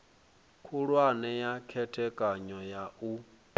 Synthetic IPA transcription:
kʰuɺwanɛjakʰɛtʰɛkʼaɲɔjaʔu

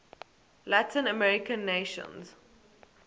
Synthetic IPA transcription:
latʰɪ̃nəmɛɹɪkə̃nːeʃə̰̃nz̥

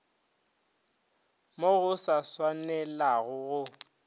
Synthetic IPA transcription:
moɣʊsaswanɛlaɣʊɣʊ

